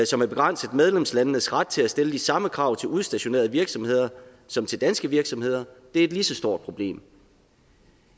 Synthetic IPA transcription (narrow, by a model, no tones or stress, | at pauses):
sɒ̽mæɐb̥e̝ɡ̥ʁɑn̰səð̩ˠmeð̞ˠlemslænːəsʁad̥̚t͡sʰe̝læsd̥eləd̥isɑ̈məkʰʁɑ̈ʊ̰t͡sʰe̝luðˠsd̥æɕo̝ne̝̰ɐðˠʋiɐɡ̥sɒ̽mhe̝ð̞̰ˠɐ | sɒ̽mt͡sʰe̝ld̥ænsɡ̥əʋiɐɡ̥sɒ̽mhe̝ð̰ˠɐd̥eæed̥lisɒ̽sd̥o̝ɐ̰d̥̚pʰʁo̝b̥le̝̰ːm